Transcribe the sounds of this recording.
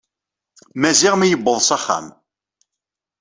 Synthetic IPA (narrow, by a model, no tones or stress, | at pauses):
mæziʁmijəbːəðˤsæχːæ̰m